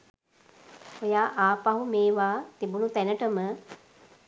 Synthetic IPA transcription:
ojaːʔaːpaɦumeːʋaːt̪ibunut̪ænəʈəmə

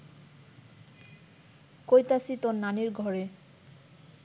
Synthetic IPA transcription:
kojt̪asit̪onːaniɾɡʱɔɾe

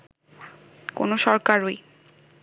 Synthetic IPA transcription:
ko̰noʃɔɾkaɾoj

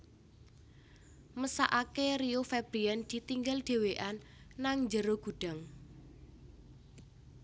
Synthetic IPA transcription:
məsa̰ʔakeriofɛb̥ɾiɛnd̪̥i̤t̪iŋɡalɖ̪̥e̤weʔanː | aŋɲd͡ʒəɾoɡ̥ṳɖ̥a̤ŋ

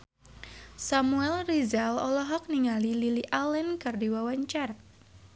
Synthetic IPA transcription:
samuɛlrizalɔ̰lɔɦɔk̚niŋalililiʔalɛnkɨrdiwawaɲt͡ʃar

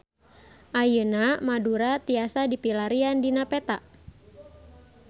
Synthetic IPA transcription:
ʔajənamaduɾat̪iasadipilaɾiandinapɛt̪a

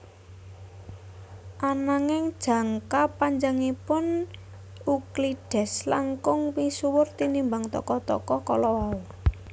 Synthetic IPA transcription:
ʔanaŋɪŋd̥ʒ̥ä̤ŋkapaɲd͡ʒaŋipʊn | ukliɖ̥ɛ̤slaŋkʊŋwisuwʊrt̪inimbaŋt̪ɔ̰kɔt̪ɔ̰kɔkɔlɔwau

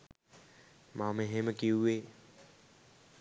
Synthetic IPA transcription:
mameɦeməkiue

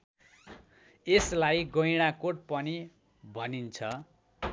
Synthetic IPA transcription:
eslajɡʌjɽ̃akoʈ̚pʌni | bʱʌnint͡sʰʌ

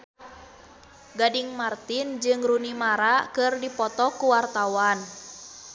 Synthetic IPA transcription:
ɡadiŋmart̪ind͡ʒɨŋrunimaɾakɨrdipɔt̪ɔkuwart̪awan

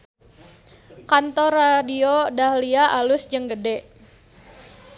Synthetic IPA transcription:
kant̪ɔradiodahliaʔalʊsd͡ʒəŋɡədɛʔ

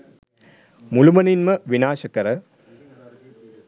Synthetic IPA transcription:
mulumɐninmɐʋinaːʃɐkɐɾɐ

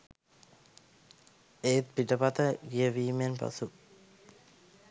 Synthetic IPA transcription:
eːt̪piʈəpat̪əɡijəʋiːmenpa̰su

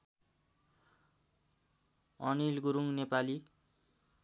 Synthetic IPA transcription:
ʌnilɡuɾuŋnepali

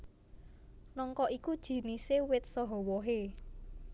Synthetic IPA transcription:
nɔŋkɔʔikud̥ʒ̥i̤nisewɪt̪̚sɔɦɔwɔɦe

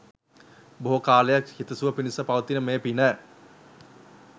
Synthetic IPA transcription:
boɦokaːləjakhit̪əsuʋəpinisəpaʋət̪inəmeːpinəː

